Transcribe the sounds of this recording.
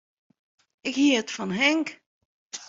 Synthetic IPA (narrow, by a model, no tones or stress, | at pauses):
ɪkhiəətfɑnɦɛŋk